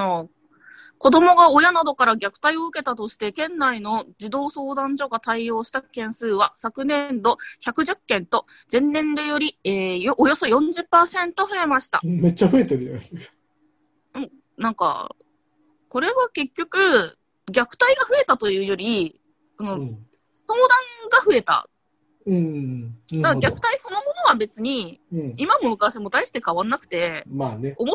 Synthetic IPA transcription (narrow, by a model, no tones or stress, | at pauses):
no̞ | ko̞d̪o̞mo̞ɡao̞janad̪o̞kaɾaɡʲakɯ̟̥t̪aio̞ɯ̟ke̞t̪at̪o̞ɕi̥t̪e̞kẽ̞nːaino̞d͡ʑid̪o̞ːso̞ːd̪ãɲ̟d͡ʑo̞ɡat̪aio̞ːɕi̥t̪akẽ̞ɰ̃sɨːβasakɯ̟nẽ̞nd̪o̞çakɯ̟ʑɨkːẽ̞nt̪o̞ | zẽ̞nːẽ̞nd̪ojo̞ɾʲieːjoʔːjo̞so̞jõ̞ɲd͡ʑɨpːaːsẽ̞nt̪o̞ɸɯ̟e̞maɕi̥t̪a̰me̞t͡ɕːaɸɯ̟e̞t̪eɾɯd͡ʒanask | ɯ̟̃ | nãŋka̰ | ko̞ɾe̞βake̞kʲːo̞kɯ̟ | ɡʲakɯ̟̥t̪aiɡaɸɯ̟e̞t̪at̪o̞jɯ̟ːjo̞ɾʲi | sono | so̞ːd̪ãŋɡaɸɯ̟e̞t̪a̰ | ɯ̟̃ | d̪aɡɡʲakɯ̥t̪aiso̞no̞mo̞no̞βabe̞t͡sɨɲ̟ĩimamo̞mɯ̟kaɕamo̞t̪aiɕi̥t̪e̞kaβãnːakɯ̟̥t̪e̞maːneo̞mo